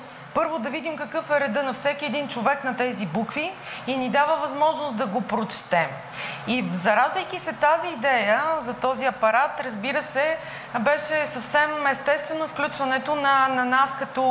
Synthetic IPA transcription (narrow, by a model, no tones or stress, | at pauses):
pɤɾvod̪ɐvid̪imkɐkɤfɛɾɛd̪ɤnɐfsɛkʲiɛd̪int͡ʃovɛknɐt̪ɛzibukvi | inid̪avəvɐzmɔʒnosd̪ɐɡopɾot͡ʃt̪ɛm | ivzɐɾazvəjk̟isɛt̪aziːd̪ɛjəzɐt̪ɔziɐpɐɾat̪ɾəzbiɾəsɛ | bɛʃɛsɐfsɛmɛst̪ɛst̪vɛnofklʲut͡ʃvɐnɛt̪onɐnɐnaskɐt̪ɔ